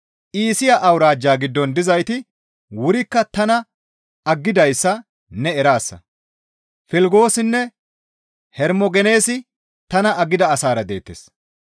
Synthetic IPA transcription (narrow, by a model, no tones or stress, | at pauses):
ʔiːsɪjaʔɐwɾaːd͡ʒːaːɡɪd̪ːɔnd̪ɪzɐjt̪ɪ | wʊɾɪkːɐt̪ɐnɐ | ɐɡːɪd̪ɐjsːɐ | nɛɛɾaːsːɐ̰ | fɪlɡo̞ːsɪnːɛ | hɛɾmɔɡɛne̞ːsɪ | t̪ɐnɐʔɐɡɪd̪ɐːsaːɾɐd̪e̞ːt̪ːḛːs